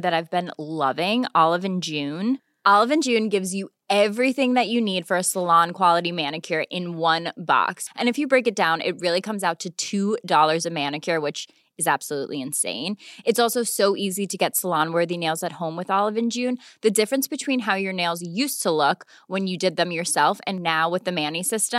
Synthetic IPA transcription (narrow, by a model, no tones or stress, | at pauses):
ðɨɾaɪvbɨ̃nlʌvɪ̃ŋɑlˠəvɨ̃nd͡ʒʉ̃n | ʔɑlˠəvɨ̃nd͡ʒʉ̃nɡɪvzjɨ | ɛvɹiθɪ̃ŋðɨt͡ʃɨnid̥fə˞ɨsəlɑ̃nkʰw̥ɑlˠəɾimænɨkʰjə˞ʔɪ̃nwʌ̃nbɑ̰ksʔɨ̃nɨfjɨbɹeɪkɨt̚d̥ãʊ̃nʔɪ̰t̚ɹɪlˠikʰʌ̃mzaʊtʰɨtʰʉdɔlˠə˞zɨmæ̃nɨkʰə˞wɨt͡ʃ | ɨzæb̥səlṵʔliɨ̃nsḛ̃ɪ̃nɨtsɔlˠsoʊsoʊʔiziɾɨɡɛtsəlɑ̃nwɜ˞ðineɪlˠzɨt̚hõʊ̃mwɨðɑlˠəvɨ̃nd͡ʒʉ̃nðɨdɪfɹɨ̃nsb̥ɨtʰw̥ĩnɦaʊjə˞neɪlˠzjʉstʰəlʊk | wɨ̃njɨdɨd̪̚ðɨ̃mjə˞sɛlˠfɨ̰̃nːaʊwɨðɨmæ̃nisɪstə̃m